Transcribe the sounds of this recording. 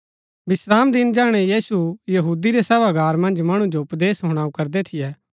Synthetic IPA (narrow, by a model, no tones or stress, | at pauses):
bɪsɾaːmd̪ɪnd͡ʒaːɽ̃ɛjiːsujɐɦuːd̪iɾesɛːʋaɡaːɾmɐ̃nd͡ʒmɐɽ̃ũd͡ʒoʊpd̪eːsɦoːɽ̃aːukɐɾd̪et̪ʰɪjɛː